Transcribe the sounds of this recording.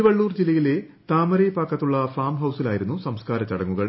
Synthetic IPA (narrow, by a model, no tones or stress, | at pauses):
iʋɐɭːuːrd͡ʑilːɐjile | t̪aːmɐɾɐjpaːkːɐt̪ːuɭːɐfaːmɦɐwsilaːjiɾunːusɐmskaːɾɐt͡ɕːɐɽɐŋːuɣɐɭ